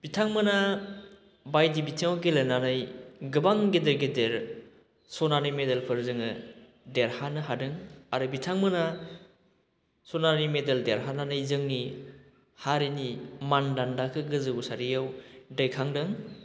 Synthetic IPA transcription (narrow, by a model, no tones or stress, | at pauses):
b̥itʰaŋmɯna | bajdibitʰiŋawɡelɯnanɯjɡɯbaŋɡedɯɾɡedeɾ | sɔnanimedelpʰɯɾzɯŋɯ | deɾhanɯɦadɯŋaɾubitʰaŋmɯna | sɔnanimedeldeɾɦananɯjzɯŋni | haɾinimandandakʰɯɡɯzɯusaɾijawdɯjkʰaŋdɯŋ